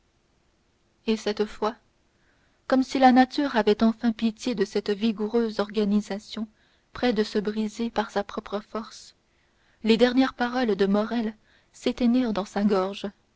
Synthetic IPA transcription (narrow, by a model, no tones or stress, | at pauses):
esɛt̪fwa | kɔmsilanat̪yːʁavɛt̪ɑ̃fɛ̃pit̪jed̪əsɛt̪viɡuʁøːzɔʁɡanizasjɔ̃ | pχɛd̪əsəbʁizepaʁsapχɔpχəfɔʁs | led̪ɛʁnjɛʁpaʁɔld̪əmɔʁɛl | set̪eniːʁd̪ɑ̃saɡɔʁʒ